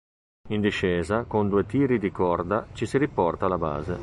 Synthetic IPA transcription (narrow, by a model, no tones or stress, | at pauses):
ind̪iʃɛːzakond̪uːet̪iːɾid̪ikɔrd̪at͡ʃisiɾipɔrt̪aːlaba̰ːzḛ